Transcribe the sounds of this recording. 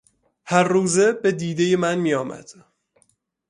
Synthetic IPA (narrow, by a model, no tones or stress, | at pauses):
hæɾːuːze̞bed̪iːd̪e̞jemænmijɒːmæ̰d̪̥